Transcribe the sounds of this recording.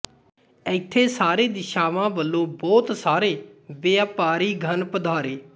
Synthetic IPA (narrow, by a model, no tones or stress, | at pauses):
ɛɪt̪ʰːeːsaːɾeːd̪ɪʃaːʋãːbəlːõːbɔːt̪saːɾeːʋeaːpaːɾiːɡʱənpəd̪ʱaːɾeː